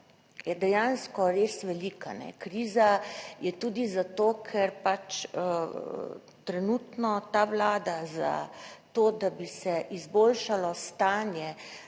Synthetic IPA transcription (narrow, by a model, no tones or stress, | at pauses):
jɛd̪ɛjanskɔɾeːsʋɛlikanɛ̰kɾiːzajɛt̪uːd̪izat̪oːkʰɛɾpat͡ʃ | t̪ɾɛnuːt̪nɔt̪aʋlaːd̪aza̰t̪oːd̪abisɛʔizboːlʃalɔst̪aːnjɛ